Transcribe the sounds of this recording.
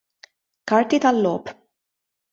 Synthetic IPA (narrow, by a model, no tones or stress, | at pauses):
kɐɾt̪it̪ɐlːɔːp